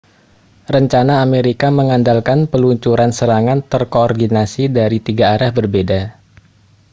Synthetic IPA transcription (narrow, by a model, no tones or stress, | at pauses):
rəɲt͡ʃanaːmeɾikaməŋandalkanpəluɲt͡ʃuɾansəɾaŋant̪ərkoːrdinasidaɾit̪iɡaːɾahbərbeda